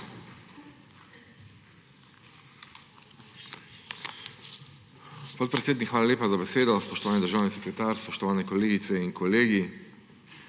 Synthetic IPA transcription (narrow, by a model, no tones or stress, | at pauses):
pɔt̪̚pɾet̪seːd̪nikxʋaːlalʲeːpazabeseːd̪ɔspɔʃt̪ɔʋaːnid̪əɾʒaːwnisɛkɾɛt̪aːɾspɔʃt̪ɔʋaːnɛkɔleːɡit̪sɛiŋkɔleːɡi